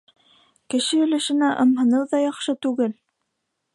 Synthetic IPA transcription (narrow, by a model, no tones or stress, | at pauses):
kɘ̆ʃɘɵ̆lɘ̆ʃɘ̆næʔɤ̆mɦɤ̆nɤwðɑjɑχʃɤt̪ʉɡɘl